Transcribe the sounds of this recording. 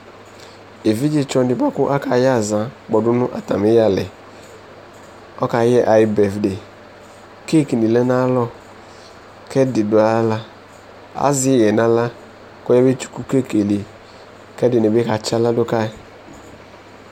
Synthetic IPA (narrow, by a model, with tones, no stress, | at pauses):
e˨vi˦d͡ʒi˦t͡ʃɔ˧nɪ˨bɔ˦kʊ˦ʔa˦ka˨˦ja˦˨za˨˦ɡ͡bɔ˨dʊ˦nʊ˦ʔa̰˨ta˨mɪ˦ja˦˨lɛ̰˨ | ɔ˦ka˨˦jɛ˦ʔa˨jɪ˨bɛ˨fde˨ | ke˦˨ki˨ni˨lɛ˦na˦lɔ˦ | kɛ˦dɪ˨dʊ˨a˦la˦ | a̰˨˦zɪ˦˨jɛ˨na˦la˦ | kɔ˦ja˦be˦t͡ʃu̥˦ku˦ke˦˨ke˨le˨ | kɛ˦dɪ˨nɪ˨be˦ka˨t͡ʃa˦la˦dʊ˦ka˦˨˦